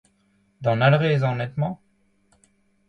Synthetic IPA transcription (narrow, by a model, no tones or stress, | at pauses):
d̪ɑ̃nalʁezɑ̃nɛt̪mɑ̃